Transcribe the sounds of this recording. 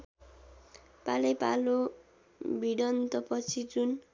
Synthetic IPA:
palʌjpalo | biɽʌnt̪ʌpʌt͡sʰid͡zun

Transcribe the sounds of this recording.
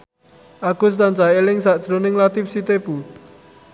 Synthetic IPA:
ʔaɡ̥ʊ̤st̪ant͡ʃaelɪŋsad̥ʒ̥ɾonɪŋlat̪ɪfsit̪ebu

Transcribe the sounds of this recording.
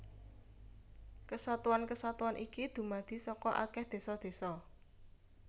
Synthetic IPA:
kəsat̪uankəsat̪uanʔikid̪̥ṳmad̪̥i̤sɔkɔʔa̰kɛhd̪̥e̤sɔd̪̥e̤sɔ

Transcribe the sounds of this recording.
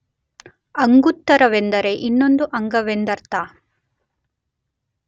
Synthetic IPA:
ɐŋɡut̪ːɐɾɐʋend̪ɐɾe̞ʔinːo̞nd̪uʔɐŋɡɐʋend̪ɐɾt̪aː

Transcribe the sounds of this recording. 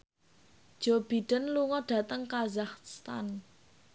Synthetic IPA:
d̥d͡ʒ̥ob̥iɖ̥ə̤nluŋɔɖ̥a̤t̪əŋkazahsst̪a̰n

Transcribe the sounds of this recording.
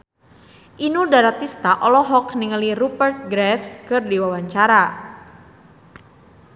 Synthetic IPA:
ʔinudaɾat̪ist̪aʔɔlɔɦɔkniŋəlirupərt̪̚ɡɾɛfskɨrdiwawaɲt͡ʃaɾa

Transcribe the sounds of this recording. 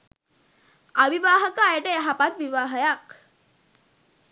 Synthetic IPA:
aʋiʋaːɦəkəːjəʈəjaɦapat̪ʋiʋaːɦəjak

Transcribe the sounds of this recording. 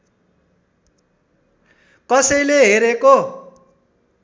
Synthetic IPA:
kʌsʌjleɦeɾeko

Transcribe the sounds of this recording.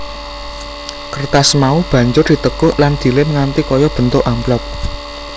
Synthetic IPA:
kərt̪asmaub̥ä̤ɲd͡ʒʊrd̪̥i̤t̪əkʊʔland̪̥i̤lɪməŋant̪ikɔjɔb̥ə̤nt̪ʊʔamplɔk̚

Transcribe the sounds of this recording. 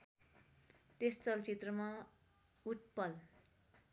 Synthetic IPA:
t̪est͡sʌlt͡sit̪rʌma | uʈ̚pʌl

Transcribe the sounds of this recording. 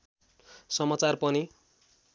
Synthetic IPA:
sʌmat͡sarpʌni

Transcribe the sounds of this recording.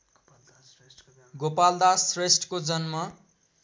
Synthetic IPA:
ɡopald̪asresʈkod͡zʌnmʌ

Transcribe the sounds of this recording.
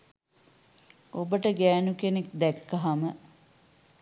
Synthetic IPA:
obəʈəɡæːnukenekd̪ækːaɦamə

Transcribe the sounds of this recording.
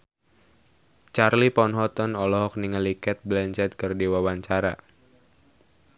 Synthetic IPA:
t͡ʃarlipɔnɦɔt̪ɔnɔlɔɦɔk̚niŋəlikɛt̪̚blɛnt͡ʃɛt̪̚kɨrdiwawaɲt͡ʃaɾa

